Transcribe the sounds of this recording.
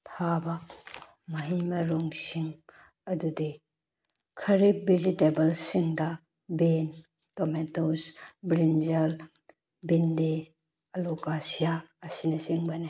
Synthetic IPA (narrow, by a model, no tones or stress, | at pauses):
pʰaba | mɐɦimɐɾuŋsiŋ | ɐdude | kʰɐɾip̚bizitebɐlsiŋdɐ | ben | tɔmetosbɾinzɐl | binde | ɐlokasijaːsinɐsiŋbane